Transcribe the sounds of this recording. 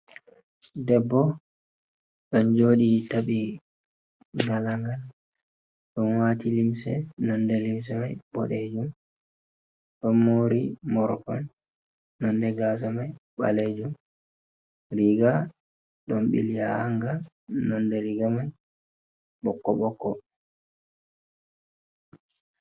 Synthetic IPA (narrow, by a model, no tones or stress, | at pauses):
dɛbːɔ | ɗɔnd͡ʒoːɗitaɓi | ŋɡalaŋɡal | ɗɔnwaːtilimsɛnɔndɛlims̬ɛmajbɔ̰ɗed͡ʒum | ɗɔnːoɾimɔɾɔkɔ̰nː | ɔndɛɡas̬amajɓa̰led͡ʒum | ɾiɡa | ɗɔmɓḭlijahaŋɡa | nɔndɛɾiɡaman | ɓɔkːɔɓɔkːɔ